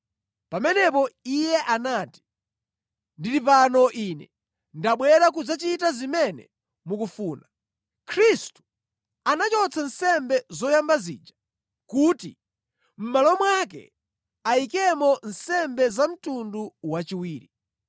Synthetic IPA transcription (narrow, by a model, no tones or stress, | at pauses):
pamɛnɛpɔijɛʔanaːti̥ | ndiɾipanɔʔinɛ | ndaɓwɛɾak̬ud͡zat͡ʃitazimɛnɛ̰ | mukufuːna | kʰɾistu̥ | anat͡ʃɔt͡sʰan̩sɛmbɛzɔjambazḭːd͡ʒḁ | kuːti | m̩malɔmwak̬ɛ̰ | aikɛmɔn̩sɛmbɛzam̩tunduwat͡ʃiwiːɾi